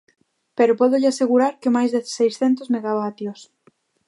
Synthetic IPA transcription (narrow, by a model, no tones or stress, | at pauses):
peɾopɔðʊʎɪaseɣuɾaɾkɪmajzðe̥sejsθɛnt̪ozmeɣaβat̪jos